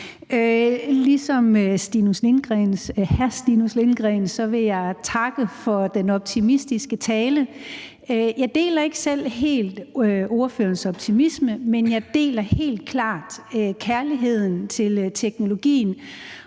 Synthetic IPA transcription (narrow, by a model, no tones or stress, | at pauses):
ølisɒ̽møsd̥inusle̝nɡ̥ʁɛnhæɐsd̥inusle̝nɡ̥ʁɛnsɒ̽ʋe̝jɑ̈ɪt͡sʰɑ̈ɡ̥əfɒ̽d̥enɒ̽b̥̚t͡sʰimisd̥isɡ̥ət͡sʰɛːlə | øjɑ̈ɪd̥e̝̰ːlɐe̝ɡ̥əsel̰ɦe̝̰ːld̥ʔo̝ɐfø̰ːɐnsɒ̽b̥̚t͡sʰimisməmenjɑ̈ɪd̥e̝̰ːlɐhe̝̰ːld̥̚kʰlɑ̰̈ːd̥økʰæɐliɦe̝ð̞̰ˠn̩t͡sʰe̝lt͡sʰeɡ̥no̝lo̝ɡ̥ḭːn̩